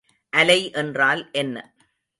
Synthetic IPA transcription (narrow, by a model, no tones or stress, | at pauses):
ʔɐlɐɪʔɛndraːlʔɛnːɐ̰